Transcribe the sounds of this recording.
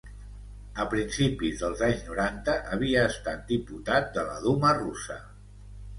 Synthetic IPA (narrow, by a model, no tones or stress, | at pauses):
əpɾinsipizðəlˠzaɲznuɾant̪əʔəβ̞iəːst̪at̪̚d̪iput̪at̪̚d̪ələ̰ðumərusə